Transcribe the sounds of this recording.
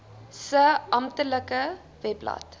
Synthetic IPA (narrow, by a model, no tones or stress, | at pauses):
səɐmtələkə | vɛplɐ̰t